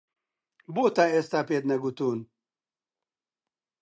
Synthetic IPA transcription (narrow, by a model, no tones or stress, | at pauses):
boːt̪aːest̪aːpeːt̪nɐɡut̪uːn